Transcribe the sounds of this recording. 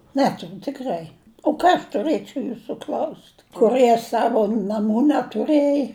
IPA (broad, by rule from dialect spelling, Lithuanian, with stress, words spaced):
ˈnʲæːtʊrʲʊ tʲɪkˈrɐɪ oː ˈkɑː ɐʃ tʊˈrɘt͡ʃʲɛʊ juːsuː klʲɐʊsʲtʲ ˈkʊrɨɛ ˈsɑːʋʊ nɐˈmuː nʲɛtʊˈrɘj